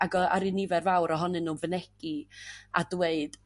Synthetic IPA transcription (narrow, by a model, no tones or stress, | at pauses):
aɡɔaɾinivɛrvawɾɔɦɔnɨnːuːnvənɛɡ̥ia̰dweɨd̥